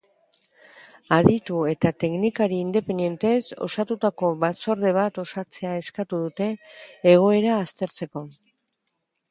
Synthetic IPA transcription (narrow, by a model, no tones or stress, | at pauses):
aðit̪ue̞t̪at̪e̞knikaɾiːnd̪e̞pe̞nd̪je̞nt̪e̞so̞̰sat̪ut̪ako̞βat͡so̞ɾðe̞β̞at̪o̞sat͡se̞ae̞skat̪uðut̪e̞ːɣ̞o̞e̞ɾaːst̪e̞ɾt͡se̞ko̞